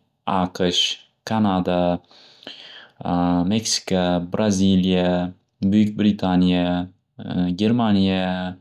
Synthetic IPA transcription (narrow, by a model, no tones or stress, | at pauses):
aqʰəʃ | kʰanad̪a | meksi̥kabɾʔazilija | bʊjyk̚ʲbɾit̪ʰanʲija | ɡʲeɾmanʲija